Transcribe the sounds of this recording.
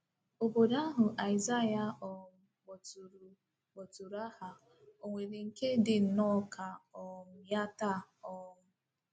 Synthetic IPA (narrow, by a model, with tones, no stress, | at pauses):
o˨bo˨da˦ɦʊ˨ʔa˨ɪ˨za˦ja˨ɔ˨m̩˦ɡ͡bɔ˨tu˨ɾu˨ | k͡po˨tu˨ɾa˦ha˨ | o˨ŋʷe˨ɾe˨ŋ̩˨ke˦dɪ˨n̩˨nɔ˦kʰa˨ɔ˨m̩˦ja˦ta˦˨ɔ˦mʊ˦